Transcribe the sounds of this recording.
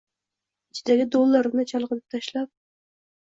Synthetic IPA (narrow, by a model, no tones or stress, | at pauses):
ɪt͡ʃʰɪd̪aɡʲɪd̪olˠːaɾnɪt͡ʃʰɑlˠqɨnɪp̚t̪ʰaʃlap̚